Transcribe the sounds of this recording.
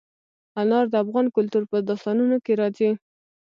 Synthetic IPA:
alɑɾd̪əafɣɑnkʊlt̪uɾpəd̪ʊst̪ɑnunokeɾɑzi

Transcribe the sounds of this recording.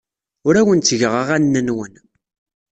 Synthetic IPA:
ʊɾæwənt͡sːəʝəʁaʁænːənwən

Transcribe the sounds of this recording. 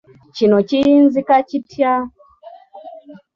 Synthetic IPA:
t͡ʃinɔt͡ʃinzikat͡ʃitʰja

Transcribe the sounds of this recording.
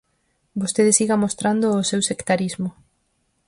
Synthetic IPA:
bost̪eðesiɣamost̪ɾand̪oːsewsekt̪aɾizmʊ

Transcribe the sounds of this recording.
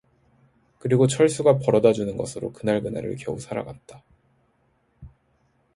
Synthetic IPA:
kɯɾiɡot͡ɕʰʌɭs͈uɡapʌɾʌdad͡ʑunɯnɡʌsʰɯɾo̰kɯnaɭɡɯna̰ɾɯ̰ɭkjʌusʰaɾa̰ɡat̚t͈ḁ

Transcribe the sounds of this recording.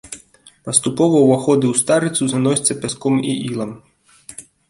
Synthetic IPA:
pɐst̪upɔvɐwaxɔd̪ɨwst̪aɾɨt̪suzanɔsʲt̪sɐpʲaskɔmḭʔilˠɐm

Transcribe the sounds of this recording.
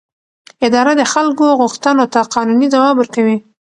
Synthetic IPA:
ɪd̪ɑɾad̪əxalkoɣʊxt̪ənot̪aqʰɑnunid̪awɑbəɾkawi

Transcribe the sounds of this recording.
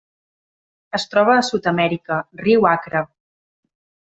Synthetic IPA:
əst̪ɾɔβəːsut̪əmɛɾikəriwakɾə

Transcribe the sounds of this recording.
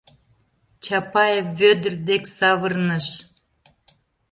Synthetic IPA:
t͡ɕɑpɑjevːød̪ərd̪eksɑβərnəʃ

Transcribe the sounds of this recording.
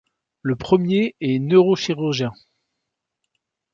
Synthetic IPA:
ləpχəmjeɛnøʁoʃiʁyʁʒjɛ̃

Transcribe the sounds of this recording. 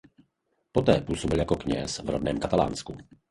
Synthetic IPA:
po̞t̪ɛːpuːsobɪljako̞kɲɛ̰svɾodnɛːmkat̪ala̰ːnsku

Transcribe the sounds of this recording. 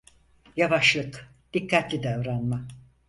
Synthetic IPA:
javaʃlˠɯk | d̪̥ikʰːat̪lʲid̪ævɾanma

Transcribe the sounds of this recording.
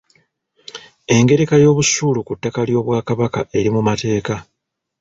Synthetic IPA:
e̞ŋɡe̞ɾe̞kajo̞ːβusuːlukutːakaljo̞ːβwaːkaβakaʔe̞ɾimumate̞ːka

